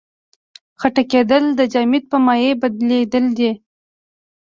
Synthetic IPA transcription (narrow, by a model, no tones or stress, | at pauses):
xaʈaked̪əld̪əd͡ʒɑmit̪̚pəmɑjebad̪led̪əld̪e